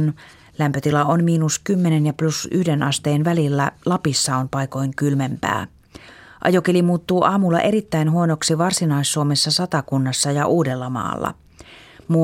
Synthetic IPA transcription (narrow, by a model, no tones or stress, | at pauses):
n | læmpøt̪ilɑonmiːnuskymːenenjɑplusy̰hdenʔɑst̪e̞ːnʋælilːælɑpisːɑonpɑjko̞jŋkylmempæ̰ː | ʔɑ̰jokelimuːt̪ːuːʔɑːmulːɑ̰ʔe̞ɾit̪ːæjnɦuo̞no̞ksiʋɑrsinɑisːuomesːɑsɑt̪ɑkunːɑsːɑjɑʔuːde̞lːɑmɑ̰ːlːɑ̰ | mu